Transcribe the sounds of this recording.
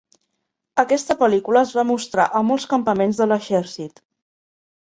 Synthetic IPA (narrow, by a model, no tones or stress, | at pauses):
əkɛst̪əpəlikuləːzβamust̪ɾa̰ʔəmɔlˠskəmpəmenzðələʃɛɾsit̪